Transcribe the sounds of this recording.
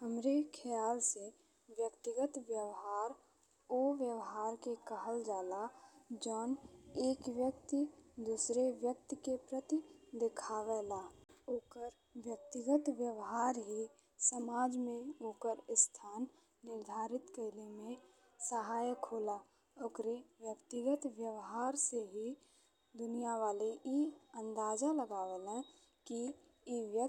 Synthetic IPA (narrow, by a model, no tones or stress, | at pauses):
ɦəmɾekʰəjaːlse | ʋjəkt̪ɪɡət̪ʋjəʋɦaːɾ | oʋjəʋɦaːɾkekəɦəld͡ʒaːlad͡ʒɔːneːkʋjək̚t̪id̪usɾeʋjək̚t̪kepɾət̪id̪ekʰaːʋɛlaoːkəɾ | ʋjək̚t̪ɪɡət̪ʋjəʋɦaːɾɦi | səmaːd͡ʒmẽoːkəɾɪst̪ʰaːnː | ɪɾd̪ʱaːɾɪt̪kəɪlemẽ | səɦaːjəkɦoːla | okɾeʋjəkt̪ɪɡət̪ʋjəʋɦaːɾseɦi | d̪ʊnijaʋaːliʔiə̃nd̪aːd͡ʒaləɡaːʋelɛ̃ | ki | iʋjə